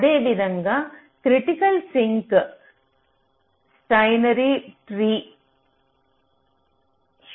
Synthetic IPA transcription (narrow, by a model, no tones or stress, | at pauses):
ðeːʋɪðɐŋɡɐ | kɾɪʈɪkɐlsɪŋk | sʈɐɪnɐɾiʈɾiː